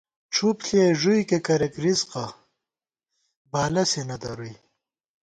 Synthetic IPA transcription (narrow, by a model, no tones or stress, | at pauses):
ʈ͡ʂʰupɬeʐujkekɐɾekɾisqa | baːlɐsenɐt̪ɐɾuj